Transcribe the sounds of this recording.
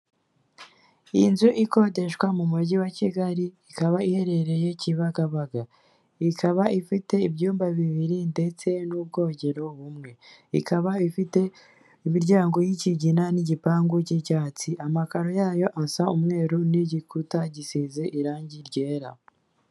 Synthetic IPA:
inzuʔiko̞de̞ʃkwamumuɟiwaciɡaɾiːkaβaihe̞ɾe̞ɾe̞je̞ciβaɡaβaɡa | ikʰaβaifite̞ibɟuːmbaβiβiɾinde̞t͡se̞nub̚ɡo̞ːɲɟe̞ɾo̞βumŋe̞ḭkʰaβaifite̞ | imiɾɟaːŋɡo̞jiciɟinaniɟipaːŋɡucicaːt͡siʔamakaɾo̞jaːjo̞ʔasaumŋe̞ːɾuniɟikutaɟisizeʔiɾaːɲɟiɾɟe̞ːɾa

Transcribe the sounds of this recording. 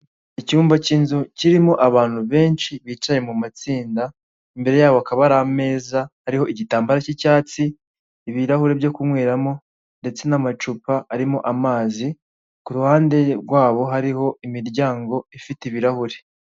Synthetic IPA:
icuːmvacinzuciɾimo̞ʔaβaːn̥huβe̞ːnt͡ʃiβiːt͡ʃaje̞mumat͡siːnda | imbe̞ɾe̞jaːβoakaβaɾame̞ːzahaɾiho̞ʔiɟitaːmbaɾacicaːt͡siː | βiɾahuɾe̞bjo̞kumŋweːɾamo̞ | nde̞t͡se̞namat͡ʃupaaɾimo̞ʔamaːzi | kuɾuhaːnde̞ɾɡwaːβo̞ɦaɾiho̞imiɾɟaːŋɡo̞ifiteiβiɾahuɾe̞

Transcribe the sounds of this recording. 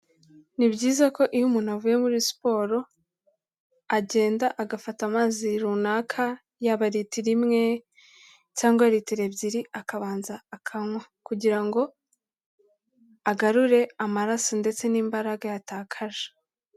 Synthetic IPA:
nibɟiːzako̞ʔijumuːn̥huavuje̞muɾispo̞ːɾo̞ | aɟe̞ːndaʔaɡafatamaːziɾunaːkʰa | jaβaɾitiɾimŋe̞ | caːŋɡoaɾitiɾe̞bɟiɾiakaβaːnzaːkʰamwakuɟiɾaŋɡo̞ | aɡaɾuɾe̞amaɾasonde̞t͡se̞niːmbaɾaɡajataːkʰaɾa

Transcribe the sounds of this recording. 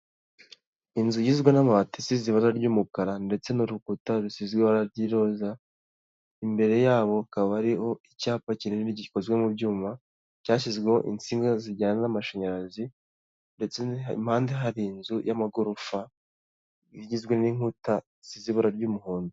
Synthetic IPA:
inzujizɡwenamaβatisiziβaɾaɾɟuːmukaɾande̞t͡se̞nuɾukutaɾusizɡwehaɾaɾɟiɾo̞ːza | imbe̞ɾe̞jaːβo̞kaβaɾiho̞icaːpacinenɾiɟiko̞zwemubɟuːma | caːʃ̬izɡweho̰ʔint͡siːŋɡaziɾɟaːnanamaʃaɲaɾazi | nde̞t͡sem̥haːnde̞ɦaɾiːnzujamaɡoɾufa | iɟizɡwe̞niŋ̥huta | z̥iziβaɾaɾɟumuhuːndu

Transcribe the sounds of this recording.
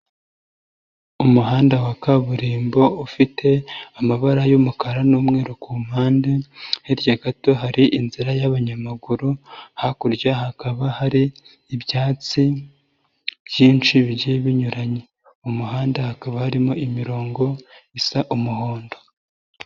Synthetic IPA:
umuɦaːndawakaβuɾiːmbo̞ufitʰe̞amaβaɾajumukaɾanuːmŋe̞ːɾokuːm̥haːndeheɾjaɡato̞ɦaɾiʔinziɾajaβaɲamaɡuɾuhakuɾɟaɦakaβahaɾiː | bjaːt͡si | jiːnt͡ʃiβiɟeβiɲuɾaɲe | umuɦaːndahakaβahaɾimoʔimiɾo̞ːŋɡo̞isaʔumuho̞ːndo̞

